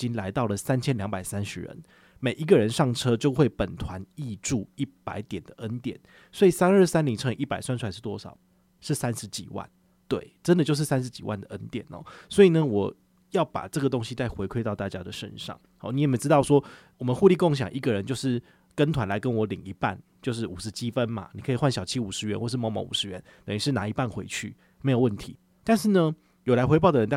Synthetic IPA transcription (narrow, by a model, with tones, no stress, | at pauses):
t͡ɕi˦nla˧˦ɪt̪ɑ˥˩ʊlə˩sa˥˦nt͡ɕʰjɛ˥nljɑ˧˥ŋpa˨˩ɪsa˦˥nʂɻ̩̰˨˩ɻə̰˧˦n | me˨˩ɪʔi˧˥ɡə˨ɻə˧˦nʂɑ˥˩ŋʈ͡ʂʰɤ˦˥t͡ɕjo˥˧ʊxwe˥˩ɪpə˨˩nt̪ʰwa˧˦ni˥˧ʈ͡ʂu˥˨i˥˩pa˧˥ɪt̪jɛ˨˩nd̪ə˩ʔə˦˥nt̪jɛ˨˩˦n | swɔ˧˥i˨˩sa˥nə˞˥˩sa˥nli˨˩ŋʈ͡ʂʰɤ˥˧ʔi˥˩pa˨˩ɪswnʂwa˥˩nʂ̩˧t̪wɔ˥ʂɑ˨˩ʊ | ʂɻ̩˥˩sa˦nʂɻ̩˧˦t͡ɕḭ˨˩wa̰˥˩n | t̪we˥˩ɪʈ͡ʂə˦nd̪ə˨t͡ɕjo˥˧ʊʂ̬̩˥˩sa˥nʂ̬ɻ̩˧˦t͡ɕi˨˩wa̰˥˩nd̪ə˩ʔə˦˥nt̪jɛ̰˨˩nɔ̰˨˦swɔ˧˥i˨˩nə˦wɔ˨˩ | jɑ˥˩ʊpa̰˨˩ʈ͡ʂɤ˥˩ɡə˩t̪o˥˦ŋɕi˧˦t͡sa˥˩ɪxwe˧˥ɪkʰwe˥ɪt̪ɑ˥˧ʊt̪a˥˧t͡ɕja˥d̪ə˨ʂə̰˧˥nʂɑ̰˥˩ŋ | hɑ̰˨˩ni˧˦jɛ˨˩me˧˥ɪʈ͡ʂɻ̩˥t̪ɑ˥˩ʊʂwɔ˥wɔ˨˩mə˧nxu˥˧li˥˧ko˥˩ŋɕ̬jɑ̰˨˩ŋʔi˧˥ɡə˨ɻə˦nt͡ɕjo˥˧ʊʂɻ̩˥˩ | kə˦nt̪ʰwa˧˦nla˧˥ɪkə˦nwɔ˧˥li˨˩ŋi˧˥pa̰˥˩nt͡ɕjo˥˧ʊʂ̬ɻ̩˥˩u˨˩ʂɻ̩˧˦t͡ɕʰi˦˥fə˦nma̰˨ni˨kʰɤ˧˥i˨˩xwa˥˩nɕjɑ˨˩ʊt͡ɕʰi˦˥u˨˩ʂɻ̩˧˥ɥɛ˧˥nxɔ˥˧ʂɻ̩˥˩mɑ˧˥ʊmɑ̰˧˥ŋṵ˨˩ʂɻ̩˧˥ɥɛ˧˦nt̪ə˨˩ŋy˧˥ʂɻ̩˥˩na˧˥i˧˥pa˥˩nxwe˧˥ɪt͡ɕʰy̰˥˩ | me˧˥ɪjwə˥˩nt̪ʰḭ˧˦ | t̪a˥˧nʂɻ̩˥˩nə˧ | jo˨˩la˧˥ɪxe˧˥ɪp̬ɑ˥˩ʊd̪ə˩ɻə˧˦na˥˩